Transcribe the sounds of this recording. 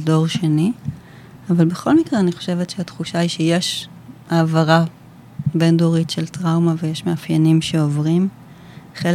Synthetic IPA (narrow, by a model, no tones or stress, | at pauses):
do̞ʁʃeni | avalbeχo̞lmikʁeaniχo̞̥ʃe̞vetʃeatχuʃaiʃeje̞ʃ | aːvaʁa | be̞ndoʁitʃeltʁawmavejeʃmeafjanimʃe̞ovʁim | χel